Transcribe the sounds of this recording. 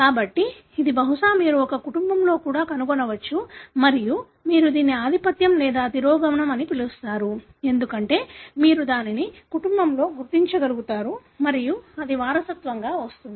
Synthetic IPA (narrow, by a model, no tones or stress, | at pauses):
kaːbɐʈːiː | d̪ibɐɦuʂaːmiːɾuɔkɐkuʈumbɐmlo̞ːkuːɽaːkɐnuɡɔnɐʋɐt͡ʃːumɐɾiju | miːɾud̪iːniaːd̪ʱipɐt̪jɐmlɛːd̪aːd̪iɾɔːɡɐʋɐɳɐmɐnipilust̪aːɾu | e̞nd̪ukɐɳʈe̞ːmiːɾud̪aːninikuʈumbɐmlo̞ːɡuɾt̪iɲt͡ʃɐɡɐluɡut̪aːɾumɐɾijuɐd̪iʋaːɾɐsɐt̪ʋɐŋɡaːʋɐst̪und̪i